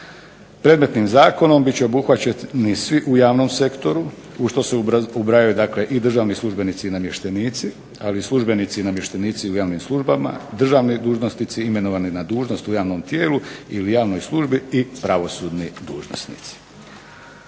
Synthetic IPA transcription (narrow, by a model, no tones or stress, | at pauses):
pɾed̪me̞t̪nimzaːko̞no̞mbitt͡ɕeo̞buxʋat͡ɕenisʋiʔujaːʋno̞mse̞kt̪o̞ɾu | uʃt̪o̞seubɾajajud̪akleʔid̪r̩ʒaːʋnislˠuʒbe̞nit̪sinamje̞ʃt̪eniːt̪si | alislˠuʒbe̞nit̪sinamjeʃt̪eniːt̪siujaːʋnimslˠuʒbama̰d̪r̩ʒaʋnid̪uːʒnosnit̪siime̞noʋaninad̪uːʒno̞st̪ujaːʋno̞mt̪jeːluilijaːʋno̞jslˠuʒbiipɾaʋo̞suːd̪nid̪uːʒno̰snḭt̪si̥